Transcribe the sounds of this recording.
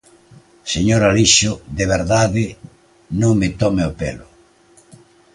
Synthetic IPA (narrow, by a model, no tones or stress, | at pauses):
seɲoɾaliʃʊðeβeɾðaðɪ | nõŋmɪt̪ɔmeopḛlʊ